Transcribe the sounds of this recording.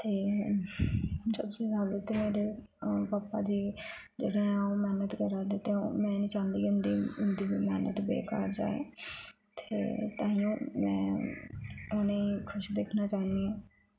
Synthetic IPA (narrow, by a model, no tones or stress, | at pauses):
t̪eː | səbsiːsaːbət̪emeːɽeː | paːpːaːd̪iː | d͡ʒeːɽeːaːõmɛːnət̪kəɾaːd̪eːt̪emɛ̃ːnĩːt͡ʃãːnd̪iːʊnd̪iːʊnd̪iːʋiːmɛːnə̰t̪bḛːka̰ːɾd͡ʒa̰ːḛː | t̪ʰeːt̪ãːijõːmɛ̰̃ː | ʊneːiːkʰʊʃd̪eːkʰnaːt͡ʃaːnd̪iːãː